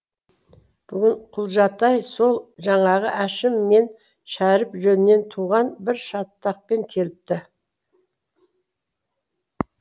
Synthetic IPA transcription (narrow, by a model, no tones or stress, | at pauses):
b̥ʏɡʲɪɴqʰʊlˠʒɑt̪ɑjso̞lˠʒɑɴɑʁəʔæʃɪmːe̞n | ʃæɾɪpʒɵnɪne̞nt̪ʰuʁɑnbɪɾʃɑt̪ːɑq̚pe̞ŋkʲʰe̞lɪp̚t̪ɪ